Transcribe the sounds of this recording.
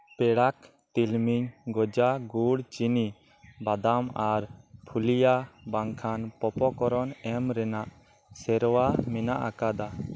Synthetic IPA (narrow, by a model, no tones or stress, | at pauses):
pɛɽak | t̪ilmiɲɡɔd͡ʒaɡuɽt͡ʃini | bad̪amaɾpʰulijabaŋkʰanpɔpɔkɔɾɔnɛmɾɛnaʔ | sɛɾwamɛnaʔakad̪a